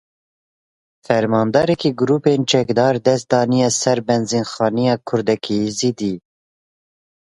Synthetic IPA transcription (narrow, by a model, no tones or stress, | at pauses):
fɛɾmɑːnd̪ɑːɾɛkiɡʊɾuːpeːnt͡ʃʰɛkd̪ɑːɾd̪ɛst̪̚d̪ɑːnijɑːsɛɾbɛnzinxɑːnijɑːkʰʊɾd̪ɛkʰizid̪iː